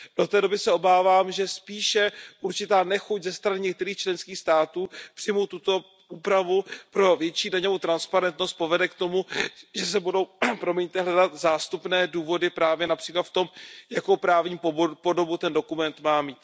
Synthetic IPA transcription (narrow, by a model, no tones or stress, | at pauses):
d̥o̞t̪ɛːdo̞bɪsɛo̞baːvaːmʒɛspiːʃɛʔuɾt͡ʃɪt̪aːnɛxuczɛst̪ɾanɪɲɛkt̪ɛɾiːxt͡ʃlɛnskiːxst̪aːt̪uːpr̥ɪjmowt̪ut̪o̞ | ʔuːpɾavupɾo̞vjɛt͡ʃiːdaɲovot̪ɾanspaɾɛnt̪no̞st̪̚po̞vɛdɛkt̪o̞muʒɛsɛbudo̞wpɾo̞mɛɲɪt̪ɪɦlɛdat̪zaːst̪upnɛːduːvo̞dɪpɾaːvjɛnapr̝̥iːklat̪ft̪o̞mjakowpɾaːvɲiːppo̞do̞but̪ɛndo̞kumɛnt̪maːmiːt̪